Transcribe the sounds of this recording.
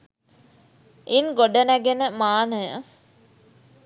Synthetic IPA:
inɡoɖənæɡenəmaːnəjə̰

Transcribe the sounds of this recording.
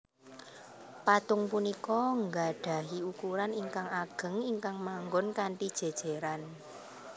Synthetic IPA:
pat̪ʊŋpunikɔŋɡaɖ̥a̤ɦiukuɾaniŋkaŋaɡ̥ə̤ŋiŋkaŋmaŋɡɔnkaɳʈid̥ʒ̥e̤d̥ʒ̥e̤ɾan

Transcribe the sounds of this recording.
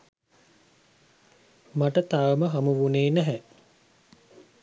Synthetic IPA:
maʈət̪aʋəməɦamuʋuneːnæɦɛ

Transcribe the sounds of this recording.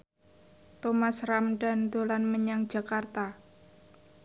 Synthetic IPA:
t̪omasramɖa̤nd̪olanməɲaŋd̥d͡ʒ̥a̤kart̪a

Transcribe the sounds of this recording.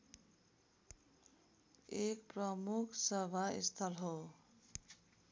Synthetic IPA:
ekprʌmukʰsʌbʱaḭst̪ʰʌlɦo

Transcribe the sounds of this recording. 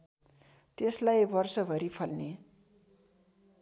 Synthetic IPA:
t̪eslajbʌrsʌbʱʌɾipʰʌlne

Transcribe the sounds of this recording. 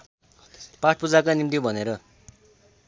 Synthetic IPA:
paʈʰpud͡zakanimt̪ibʱʌneɾʌ

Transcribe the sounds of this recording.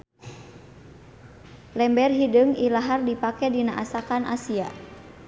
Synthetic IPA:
lɛmbɛrɦidɨŋilaɦardipakɛdinaʔasakanʔa̰sia

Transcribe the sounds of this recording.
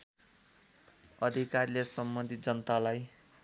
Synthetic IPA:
ʌd̪ʱikarlesʌmːʌ̃nd̪ʱid͡zʌnʌt̪alaj

